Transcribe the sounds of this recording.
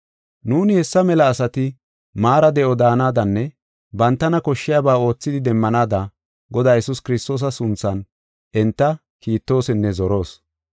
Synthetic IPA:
nuːnɪhɛsːɐmɛlɐːsɐt̪ɪ | maːɾɐd̪ɛʔɔd̪aːnaːd̪ɐnːɛ | bɐnt̪ːɐnɐkɔʃːɪjabaːo̞ːt͡sːɪd̪ɪd̪ɛmːɐnaːd̪ɐ | ɡɔd̪aːjɛsʊskɪɾɪst̪o̞ːs̬ɐsʊnt͡sːɐn | ʔɛnt̪ːɐ | kiːt̪ːo̞ːsɛnːɛzɔɾo̞ːs

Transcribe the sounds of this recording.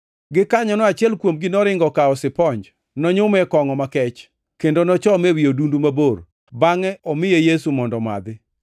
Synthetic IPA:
ɡɪkaɲɔnɔat͡ʃɪɛlkwomɡɪnɔɾɪŋɡɔkaɔsɪpɔɲd͡ʒ | nɔɲʊmɛkɔŋɔmakɛt͡ʃ | kendonɔt͡ʃɔmewijodundumabor | baŋɛʔɔmɪjejesumɔndɔma̰d̪ɪ

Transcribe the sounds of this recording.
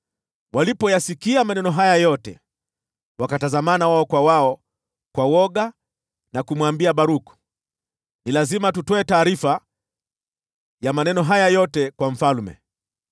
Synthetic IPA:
walipɔjasikiamanɛnɔɦajajɔtɛ̰ | wakatazamanawaɔkwawaɔ | kwawɔɠa | nakumwambiaɓaɾuku̥ | nilazimatutɔɛtaːɾifa | jamanɛnɔɦajajɔtɛkwaɱ̩falmɛ̰

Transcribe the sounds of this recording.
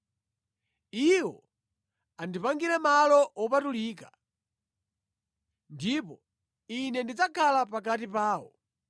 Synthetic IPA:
iwɔ̰ | andipaŋɡiɾɛmalɔɔpatuliːka | ndipɔ | inɛndid͡zakʰalapak̬atipaːwɔ̰

